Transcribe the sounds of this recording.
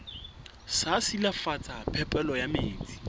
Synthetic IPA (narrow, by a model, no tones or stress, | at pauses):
sasilafat͡sʰʼapʰɛpʼɛlɔjameːt͡sʼi̥